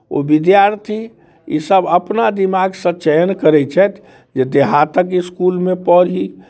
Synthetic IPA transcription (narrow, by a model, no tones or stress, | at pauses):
o̰bid̪jaɾt̪ʰi | isəbəpnad̪imaɡsə̃t͡ʃəjənkəɾɛt͡ʃʰɛt̪ʰ | d͡ʒed̪eɦat̪əkiskulmepəɾɦi